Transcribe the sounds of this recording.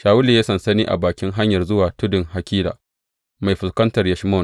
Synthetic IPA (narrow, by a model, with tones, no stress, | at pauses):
ʃaː˨wʊ˦liː˨ja˦sɐ˨nsɐ˦niː˦ʔa̰˨baː˨kʲɪ˦ŋɦa˦ɲjɐ˨rzʊ˦waː˨tʊ˦dɪ˨ŋha˨kʲiː˦la̰ː˨ | ma˨jɸɪ˨skɐ˦ntɐ˨rjɛ˨ʃmɔː˦˨n